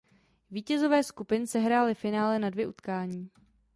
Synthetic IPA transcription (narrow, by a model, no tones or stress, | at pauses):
viːcɛzo̞vɛːskupɪnsɛɦɾaːlɪfɪnaːlɛnadvjɛʔut̪kaːɲiː